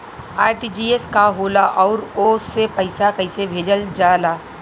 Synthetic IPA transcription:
aːɾʈiːd͡ʒiːeskaɦoːlaʔɔːɾoːsepɐɪsakɐɪsebʱeːd͡ʒəld͡ʒaːlaː

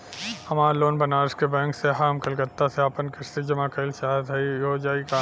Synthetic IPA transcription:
hɐmaːɾloːnbɐnaːɾskebɛ̃ːŋkseɦaːmkɐlɡət̪ːaseapənkɪʃt̪id͡ʒɐmakɐlʃaːd̪ɦɐioːd͡ʒaːikaː

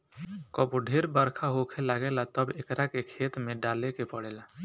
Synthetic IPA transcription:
kɔpuɖʱeːɾbəɾkʰaɦokʰelaːɡelat̪əbekɾakekʰeːt̪mẽɖaːlekepəɽeːla

